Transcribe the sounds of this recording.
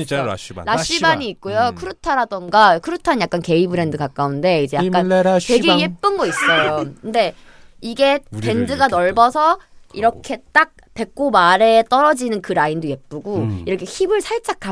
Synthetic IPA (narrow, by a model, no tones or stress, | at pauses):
ɕḭɾaɕ͈ibaɲiːk̚k͈ojokʰɯɾɯtʰaɾadʌŋɡakʰɯɾutʰanjak͈anke̞ibɯɾe̞ndɯkak͈aunde̞id͡ʑe̞jak͈ante̞ɡejep͈ɯnɡʌis͈ʌjokɯnde̞ | iɡe̞ke̞ndɯɡanʌɭbʌsʰʌiɾʌkʰe̞t͈ak̚ | pe̞k̚k͈omaɾe̞t͈ʌɾʌd͡ʑinɯnkɯɾaindoje̞p͈̚ɯɡoiɾʌkʰe̞çibɯɭsʰaɭt͡ɕ͈akʰa